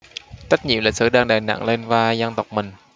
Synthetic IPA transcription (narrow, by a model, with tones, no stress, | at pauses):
t͡ɕə˦˥t̚ɲḭ˧˨mlə̰˨˩k̚sɨ̰˧˩ɗaː˧ŋɗaː˨˩jna̰˧˨ŋle˧nvaː˧za˧nt̪ə˨˩wk͡p̚mï˨˩ŋ̟